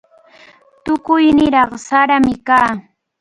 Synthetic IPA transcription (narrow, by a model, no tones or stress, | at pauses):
t̪ʊkʊjnɪɾɑχsaɾamɪkaː